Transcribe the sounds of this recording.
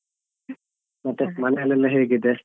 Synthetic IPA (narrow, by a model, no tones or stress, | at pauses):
mɐt̪ːemɐnelɐlːɐɦeːɡid̪e